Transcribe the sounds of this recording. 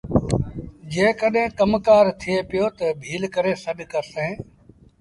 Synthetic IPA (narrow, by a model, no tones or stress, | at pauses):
d͡ʒẽːkəɗɦẽːkəmkaːɾt̪ʰɪeːpɪjoːt̪əbʱiːlkəɾeːsəɗkəɾsẽː